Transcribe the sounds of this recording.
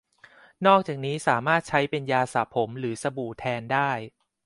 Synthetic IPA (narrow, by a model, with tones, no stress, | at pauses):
nɔː˥˩k̚t͡ɕaː˨˩k̚niː˦˥saː˩˦maː˥˩t̪̚t͡ɕʰa˦˥jpe˧njaː˧sa̰˨˩pʰːo˩˦mɾɯː˩˦sa˧buː˨˩t̪ʰɛː˧ndaː˥˩j